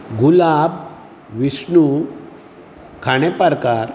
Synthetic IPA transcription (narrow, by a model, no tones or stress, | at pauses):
ɡulab | ʋisnu | kʰaɽ̃epəɾkaɾ